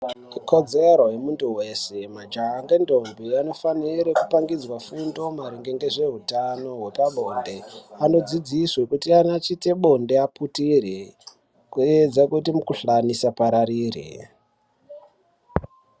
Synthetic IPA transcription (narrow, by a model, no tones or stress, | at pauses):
kʰo̞d͡zeɾo̞ɦe̞muntuwe̞se̞mad͡ʒaɦaŋɡendo̞mbiano̞faniɾeku̥paŋɡid͡zwafundo̞maɾiŋɡe̞ŋɡe̞ʐe̞ɦutano̞ɦwe̞paɓo̞nde̞ano̞d͡zid͡ziswekutianat͡ʃite̞ɓo̞nde̞aputire | kued͡zakutimukuɬanisapaɾaɾiːrḭ